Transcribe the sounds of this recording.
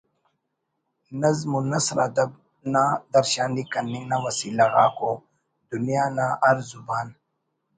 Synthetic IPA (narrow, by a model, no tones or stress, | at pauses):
nɐzmunɐsɾa̰d̪ɐb̚ | nad̪ɐɾʃaːnd̪ikɐnːinawɐsiːlaɣa̰ːko | d̪unijaːnaʔɐɾzubaːn